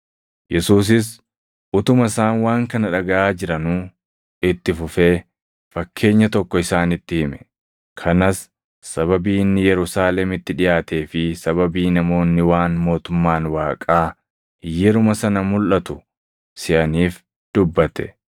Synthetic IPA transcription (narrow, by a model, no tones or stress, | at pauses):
jɛsuːs̬ɪs̬ | ʔʊt̪ʊmɐɪsaːnwaːŋkɐnɐᶑɐɡɐʔaːd͡ʒɪɾɐnuː | ɪt̪ːɪfʊfeː | fɐkʰːe̞ːɲːɐt̪ɔkːɔɪsaːnɪt̪ːɪhɪmɛ̥ | kʰɐnɐsː | ɐβɐbiːnːɪjɛɾʊsaːlɛmɪt̪ːɪᶑɪʔaːt̪e̞ːfɪsɐβɐbiːnɐmo̞ːnːɪwaːnmo̞ːt̪ʊmːaːnwaːkʼaː | jɛɾʊmɐsɐnɐmʊlʔɐt̪ʊ | sɪʔɐniːf | d̪̥ʊbːɐt̪ɛ̥